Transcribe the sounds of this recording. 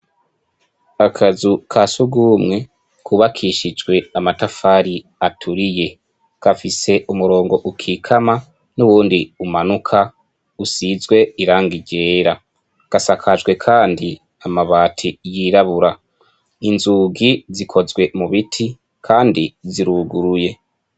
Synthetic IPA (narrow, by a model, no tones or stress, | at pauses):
akʰazukʰasuɡuːmŋe̞ | kʰuβakʰiːʃid͡ʒwe̞amatafaːɾi | atʰuɾije̞ | kafise̞ʔumuɾo̞ːŋɡo̞ʔukʰikʰama | nuβuːndiumanukʰa | usizɡwe̞iɾaːŋɡiɟe̞ːɾa | kasakʰad͡ʒɡwe̞kʰaːndi | amaβaːtʰijiːɾaβuɾa | inzuːɡizikʰo̞zɡwe̞muβitʰi | kʰaːndiziɾuɡuɾuje̞